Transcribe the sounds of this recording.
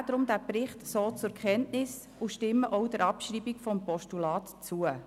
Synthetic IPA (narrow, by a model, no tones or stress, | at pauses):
dɾʊmd̥̪æprɪχtsoːt͡sʊɾkχɛntnɪs | ʊʃtɪmːəʔɔʊd̥ɛɾɑpʃriːbɪkfɔmpɔʃtulɑːtt͡suə